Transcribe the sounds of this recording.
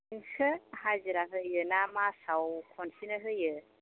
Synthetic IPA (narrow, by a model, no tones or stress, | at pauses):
iŋkʰəhaziɾaɦɯjɯnamasawkʰɔnsinɯɦɯjɯ